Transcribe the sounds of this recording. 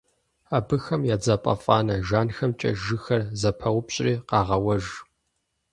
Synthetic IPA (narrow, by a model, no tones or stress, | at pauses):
abɨxɐmjaːd͡zapʼɐ̰fʼɑːnɐʒaːnxɐmt͡ʃʼɐ̰ʒɨxɐrzɐpʰɐwʊpɕʼriːqɑːʁɐwɐʒ